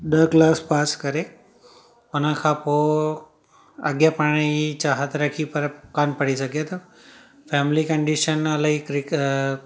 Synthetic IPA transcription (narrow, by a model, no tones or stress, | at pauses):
ɗəklaːspaːskəɾe | ʊnãkʰapo | əɡjapaɽ̃it͡ʃaːɦət̪ɾəkʰipəɾkanpəɽisəkjet̪o | fʰɛːmɪlikəɳɖiʃənaləkɾi